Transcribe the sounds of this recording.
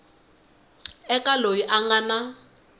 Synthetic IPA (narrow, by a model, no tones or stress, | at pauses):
ɛkʼalojiʔaŋana